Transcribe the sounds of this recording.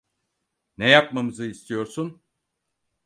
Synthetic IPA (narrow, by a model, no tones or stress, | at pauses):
nɛjap̚mamɯzɯist̪ʰijo̞ɾsun